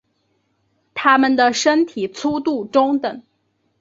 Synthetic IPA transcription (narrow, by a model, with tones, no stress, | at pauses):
t̪ʰa˥mə˨nd̪ə˩ʂə˥nt̪ʰi˨˩t͡sʰu˥t̪u˥˩ʈ͡ʂʊ˥ŋt̪ə˨˩˦ŋ